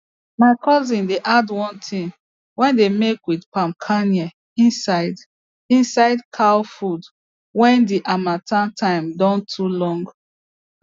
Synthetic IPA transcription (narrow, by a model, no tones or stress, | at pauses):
maɪkʰɔzĩndeʔadwɔ̃ntʰĩn | wɛ̃ndemekwidpãmkʰaniɛ | ĩnsaɪd | ĩnsaɪdkʰalfud | wɛ̃ndiʔamãtʰãntʰãɪmdɔ̃ntʰulɔ̃ŋɡ